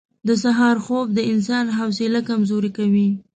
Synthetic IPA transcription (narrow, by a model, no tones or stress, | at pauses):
d̪əsaɦɑɾxob̚d̪əɪnsɑnɦawsɪlakamzoɾikawi